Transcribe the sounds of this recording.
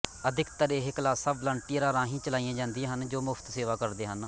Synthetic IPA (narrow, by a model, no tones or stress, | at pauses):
əd̪ʱɪkt̪əɾeːɦɪklaːsəblə̃ːɳʈijːɾaːɾãːɦĩːt͡ʃəlaːijãːd͡ʒãːnd̪ɪjãːɦənd͡ʒoːmʊpʰt̪seːʋaːkəɾd̪eːɦən